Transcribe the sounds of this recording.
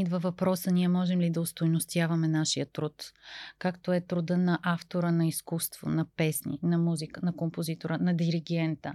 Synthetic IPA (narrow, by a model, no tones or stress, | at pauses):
id̪vɐvɐpɾɔsəniɛmɔʒɛmlid̪ɐost̪ojnost̪javɐmɛnaʃijət̪ɾut̪kakt̪oɛt̪ɾʊd̪ənɐʔaft̪oɾənɐiskust̪v̥o̰nɐpɛsnḭnɐmuzikənɐkompozit̪oɾənɐd̪iɾiɡɛnt̪ə